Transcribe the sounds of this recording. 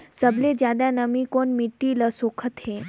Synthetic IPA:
səbled͡ʒjaːd̪anəmikonmiʈːiləsoːkʰət̪ɦe

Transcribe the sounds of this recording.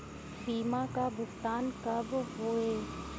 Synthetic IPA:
biːmãkabʊɡt̪aːnkɐbɦoːeː

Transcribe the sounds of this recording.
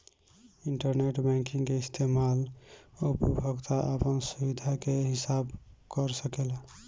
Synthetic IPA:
iɳʈəɾneʈbɛ̃ŋkiŋkeist̪ʰemalupubʱəɡt̪ʰaʔəpənsubid̪ʱakeɦisabkəɾsəkel

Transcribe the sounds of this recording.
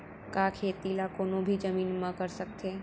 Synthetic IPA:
kaːkʰeːt̪ilakoːnõbʱid͡ʒəmiːnmɐ̃kəɾsək̚t̪ʰeː

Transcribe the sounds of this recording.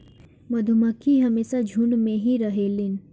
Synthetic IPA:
mɐd̪ʱuməkʰiɦɐmeːsad͡ʒʱuɳmẽɦiɾəɦelɪn

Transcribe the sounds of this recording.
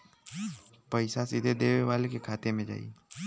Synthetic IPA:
pəɪsasɪd̪ʱed̪eːʋeʋaːlekekʰaːt̪emẽd͡ʒa̰ːḭː

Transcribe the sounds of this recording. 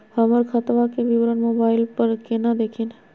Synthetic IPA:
həməɾkʰət̪ʋakeʋɪʋɾənmoːbaːɪlpəɾkenad̪eːkʰen

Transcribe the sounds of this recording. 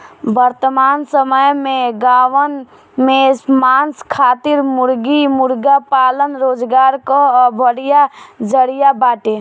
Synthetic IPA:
bəɾt̪əmaːnsəməjmeɡaʋən | mesmanskʰaːt̪iɾmuɾɡimuɾɡapaːlənɾoːd͡ʒɡaːɾkəbʱəɽijad͡ʒəɽijabaːʈe

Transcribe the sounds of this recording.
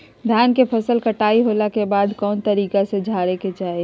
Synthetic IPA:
d̪ʱjankepʰəsəlkəʈaiɦolakebaːd̪ʱkɔːnt̪əɾiːkasẽd͡ʒʱaɾeket͡ʃaːi

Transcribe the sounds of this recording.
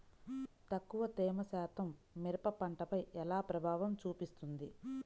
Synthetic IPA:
t̪ɐkːuʋɐt̪ɛːmɐsaːt̪ʰɐmːiɾɐpɐpɐɳʈɐpɐjɛlaːpɾɐbʱaːʋɐmt͡ʃuːpist̪und̪i

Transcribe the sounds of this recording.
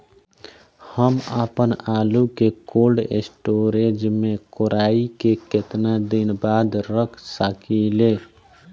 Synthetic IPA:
həməpənaːlukekolɖḛsʈoɾed͡ʒmẽkoɾaːikeket̪nad̪inbaːd̪ɾəkʰsəkʰile

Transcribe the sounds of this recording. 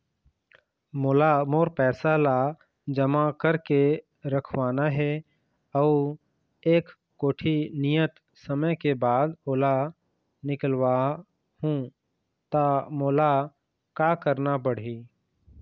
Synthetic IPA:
moːlamoːɾpɛːsala | d͡ʒəmakəɾke | ɾəkʰwaːnaɦɛ | ɔː | eːkː | oːʈʰinijət̪ | səməkebaːd̪oːla | nɪkəlwa | hũ | t̪amoːla | kakəɾnapəɽ̤iː

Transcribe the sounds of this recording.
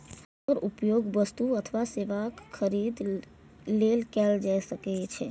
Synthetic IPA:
əɾupjoɡʋəst̪uət̪ʰəʋaseʋakʰːəɾid̪ | lelkɛld͡ʒajʃəket͡ʃʰe

